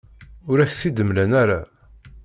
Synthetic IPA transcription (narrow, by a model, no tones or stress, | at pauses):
ʊɾæçθid̪əmlænæɾa